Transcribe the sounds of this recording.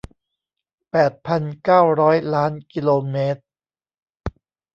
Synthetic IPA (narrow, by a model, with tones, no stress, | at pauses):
pɛː˨˩t̪̚pʰa˧nkaː˥˩wɾɔː˦˥jlaː˦˥nki˧loː˧meː˦˥t̪̚